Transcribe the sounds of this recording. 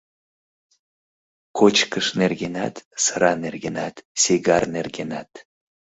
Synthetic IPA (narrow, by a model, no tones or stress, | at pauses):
kʰot͡ʃkəʃnerɡʲenat̪sɨɾanerɡʲenat̪sʲeɡarnerɡʲenat̪